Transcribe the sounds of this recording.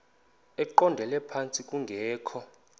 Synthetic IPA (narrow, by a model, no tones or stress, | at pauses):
ɛǃɔndʱɛlɛpʰant͡sʼikʼuŋɡʱɛːkʰɔ